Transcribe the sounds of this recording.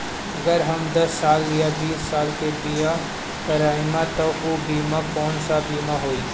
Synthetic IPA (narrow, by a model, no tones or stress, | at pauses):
ɐɡəɾɦɐmd̪ɐsːaːlːɪjabiːsːaːlkebija | kɐɾaːɪmãt̪oobʱiːmãkɔːnsabiːmaɦoːiː